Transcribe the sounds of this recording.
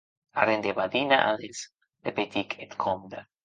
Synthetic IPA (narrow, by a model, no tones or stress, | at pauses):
aɾend̪eβaðinaʔa̰ðes | ðepet̪ikʰet̪kʰomd̪a